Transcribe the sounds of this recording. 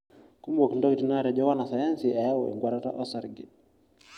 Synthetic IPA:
ku˦mbɔ˨kndɔ˦ɡti˨naɾɛ˨d͡ʒɔwa˦na˨sa˨ja˦nsiʔa˨ja˦wɛ̰˨ŋɡwa˨ɾaɾa̰˦ʔɔsaɾɡɛ˨

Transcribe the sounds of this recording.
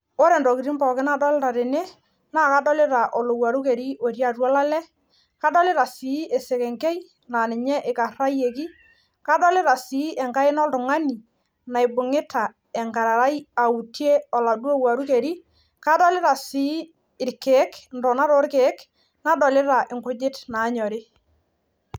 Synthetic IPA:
o˦ɾe˨ndɔ˨ki˨ɾi˦mbɔ˨kɪ˦na˦dɔ˦lɪ˦ɾa˨ɾɪ˨ne˦ | naː˦˨ka˦dɔ˦lɪ˦ɾa˨ʔɔ˨lo˨wa˨ɾu˦ke˨ɾi˦o˨ɾja˨ɾwɔ˦la˦lɛ˦ | ka˦dɔ˦lɪ˦ɾa˨si˨˦ɛ˨se˨kɛ˨ŋkɛ˦j | na˨nɪ˨ɲɛ˦ʔɪ˨ka˨ra˦je˨ki˦ | ka˦dɔ˦lɪ˦ɾa˨si˨˦ʔɛ˨ŋka˦ɪ˦nɔ˦ltʊ˨ŋa˦ni˨ | na˨jbʊ˨ŋɪ˦tʰa˨ | ɛ˨ŋka˨ɾa˨ɾa˦ja˨u˨tje˦ɔ˨la˨dwo˦wa˨ɾu˦ke˨ɾi˦ | ka˦dɔ˦lɪ˦ɾa˨si˨˦ | ɪ˨ɾkɛ˨˦kndɔ˨na˦ɾo˦ɾke˨˦k | na˦dɔ˨lɪ˦ɾa˨ʔɪ˨ŋkʊ˦d͡ʒɪ˦tnaː˨˦ɲɔ˨ɾɪ˦

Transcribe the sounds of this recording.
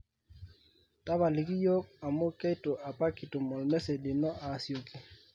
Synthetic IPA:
ta˦βa˨lɪ˨ki˦jo˦ka˨mo˦kɛ˦to˨ʔa˨pa˦ki˨to˨mɔ˨lmɛ˦se˨dɪ˨nɔ˦ʔa˨sjo˨kɪ˨

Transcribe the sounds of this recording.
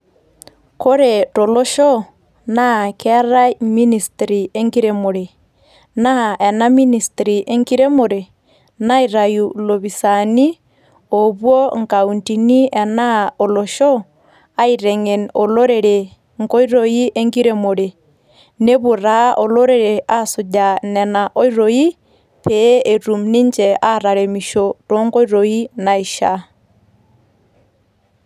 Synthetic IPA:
ko˦ɾɛtɔ˨lɔ˦ʃɔ˦ | na˦kɛ˦a˦ɾa˦mi˦ni˨stɾi˨e˦ŋɡiɾɛmo˨ɾe˨ | na˦ɛ˨na˦mi˦ni˨stɾi˨ʔe˦ŋɡi˦ɾe˦mo˨ɾe˨ | na˦i˨ɾa˨julo˨βi˨sani˦ | o˨βwɔ˦ŋka˨unti˨ni˦ɛ˨na˦ɔ˨lɔʃɔ˦ | a˦i˨ɾɛ˨ŋe˨nɔ˨lo˦ɾɛ˨ɾe˨ | ŋɡɔ˦i˦ɾoi˦ʔe˦ŋɡi˦ɾe˦mo˨ɾe˨ | ne˦βʊ˨ɾa˦ʔɔ˨lo˦ɾe˨ɾe˨ʔa˦su˨ɟa˨nɛ˨na˨ʔɔ˦i˦ɾoi˦ | pɛ˦e˨ɾu˨mni˦ɲd͡ʒɛ˨a˦ɾa˨ɾe˨mi˨ʃotɔ˦ŋɡɔ˦i˦ɾo˨i˦na˨i˨ʃa˦

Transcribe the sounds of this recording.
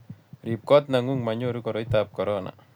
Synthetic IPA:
ɾip̚kɔ˦t̪na˨ŋuŋma˨ɲoɾu˦kɔ˨ɾɔ˨it̪ap̚kɔ˨ɾɔna̰

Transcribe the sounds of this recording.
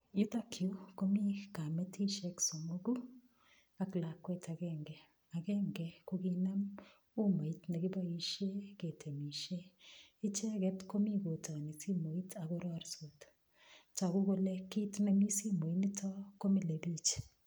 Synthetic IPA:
ji˦ta˦kʰju˦ko˦mi˦ka˨mɛ˦tʰi˦ʃɛ˦kso˨mo˦ɡu˦ | a˦kla˨kːwɛ˦ta˨ɡɛ˦ŋɡɛ˨ | a˨ɡɛ˦ŋɡɛ˨ko˦ɡi˦na˦m | o˦ma˨i˦tna˨ɡɪ˦ba˦i˨ʃe˦ɡe˨tʰe˨mi˨ʃe˦ɪ˦t͡ʃɛ˦ɡɛ˦tko˦mi˦ɡo˨ta˨ni˨si˦mo˨i˦tʰa˨ɡo˦ɾɔ˦a˦ɾso˨t | t͡ʃa˨ɡʊ˦ɡo˦lɛ˦kːi˦tna˦mi˦si˦mo˨i˦ni˦tʰɔ˦ko˦mi˦le˨bi˦t͡ʃ

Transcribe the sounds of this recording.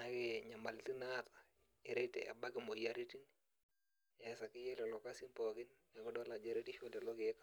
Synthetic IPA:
a˨˦kɪ˨ɲa˨ma˨lti˦na˦tḁ˨ | ɪ˨ɾe˦tḛ˨ʔa̰˨ba˦kɪ˨mo˨ja˦ɾi˦ti˦n | ɛ˦sa˨kɪ˦jɛ˦lɛ˨lɔ˦ka˦si˦mpɔ˨kɪ˦n | a˨kɔ˦dɔ˦la˨d͡ʒa˦ɾe˦ti˦ʃo˦lɛ˨lɔ˦ke˦kḁ˦

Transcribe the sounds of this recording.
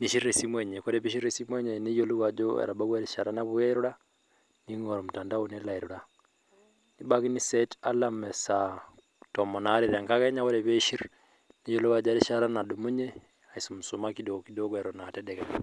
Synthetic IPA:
ni˨ʃi˦ɾɾe˨si˦mwɛ˨ɲɛ˨kɔ˦ɾɛβi˦ʃi˦ɾe˨si˦mwɛ˦ɲɛ˨ni˦jɔlu˦wa˨d͡ʒɔɛ̰ɾa˨ba˦ɣwa˦ɾi˨ʃa˨ɾa˦na˦βuɛɾu˦ɾa˦ | niŋɔ˨ɾɔmu˨ta˨nda˦unɛla˨iɾuɾa˨ | ni˦ba˦ki˦ni˦sɛta˦lamɛ˨sa | tɔmɔ˨na˨˦ɾeɾa˨ŋka˦ɣɛ˦ɲa˦kɔ˦ɾɛβɛ˦ʃi˦ɾ | ni˦jɔ˦lu˦wa˨d͡ʒa˦ɾi˦ʃaɾa˦na˨du˨mu˦ɲɛ˦ | a˨iso˨mu˨su˨maki˦dɔki˦dɔ˦kɛ˨ɾɔnatɛdɛkɛla

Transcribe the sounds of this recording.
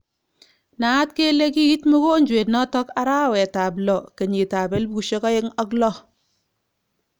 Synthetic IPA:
na˨˦tke˦le˦ki˦ɣi˦tmu˦ko˦ɲd͡ʒwe˨tnɔ˦tɔ˦ka˦ɾa˦˨wɛ˨ta˨blɔ˨ke˨ɲi˨ta˨be˦lbu˨ʃe˦ka˦jɪ˦ŋɔ˦klɔ˦

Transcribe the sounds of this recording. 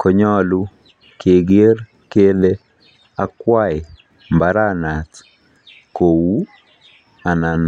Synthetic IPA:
kʰɔ˨ɲɔ˦lu˦ | kʰe˨ɡe˦r | ke˦le˦ | a˦kwa˦ɪ˨ | mbaɾana˨t | ko˨wu˦ | a˨na˨n

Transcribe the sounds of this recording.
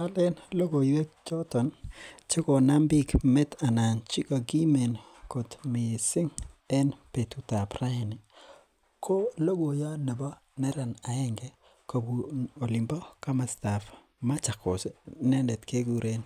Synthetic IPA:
a˦lɛ˦nlo˦ɡo˨jwɛ˦k̚t͡ʃɔ˦tɔ˨nt͡ʃɪ˦ko˨na˦mbi˦kmɛ˦ta˨na˨nt͡ʃi˦ka˨ɡi˦me˨n | ko˨tmɪ˨sɪ˦ŋɛ˦npe˨tu˨ta˨pra˦˨nɪ˨ | kʰo˦lo˦ɡo˨ja˦ne˨bɔ˦ | nɛ˦ɾa˨na˨ɛ˦ŋɡɛ˦ | ko˨bu˨o˨lɪ˨mbɔ˦ka˦ma˨sta˨f | ma˦t͡ʃa˨ko˨snɛ˦ndɛ˨tke˦ɡu˨ɾe˦n

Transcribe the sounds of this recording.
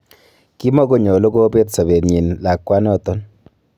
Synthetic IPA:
ki˦mɔ˦ko˦ɲɔ˨lo˦ko˦be˦tsa˨be˨tɲi˨nla˨kːwa˦nɔ˦˨tɔ˦n

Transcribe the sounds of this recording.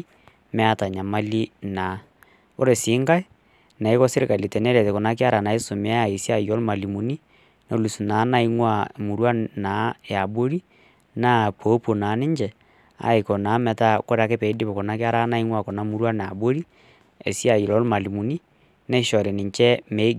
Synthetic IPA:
mɛ˦a˦˨ta˨ɲa˨ma˦li˦na˨˦ | o˦ɾe˨si˨˦ŋɡa˦e˦ | na˨i˦kɔ˦se˦ɾe˨ka˨li˨tɛ˨nɛ˦ɾɛ˨tɛ˨ko˨na˦ke˦a˦ɾa˨na˨e˦so˨me˨˦a˨e˨si˦a˨jɔ˦lma˨li˨mu˨ni˦ | no˦lu˨su˨na˨˦na˦i˦ŋwa˦˨mu˨ɾwa˦na˨˦e˨a˨bo˦ɾi˦ | na˦po˨˦po˨na˨˦ne˦ɲd͡ʒɛ˨ | a̰˦e˨kɔ˨na˨˦mɛ˨ta˦ko˦ɾa˨˦ke˦pɛ˨i˦di˦pɔ˨ko˨na˨˦ke˦a˦ɾa˦na˦i˦ŋwa˦˨ko˨na˨mu˦ɾwa˦na˨a̰˨bo˦ɾi˦ | ḛ˨sja˨i˨lɔ˨˦lma˨li˨mu˨ni˦ | nɛ˦ʃɔ˨ɾe˨ni˨ɲt͡ʃɛ˦me˦ɡ

